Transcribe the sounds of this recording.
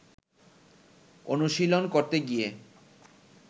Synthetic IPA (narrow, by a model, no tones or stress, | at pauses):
onuʃilonkoɾt̪eɡie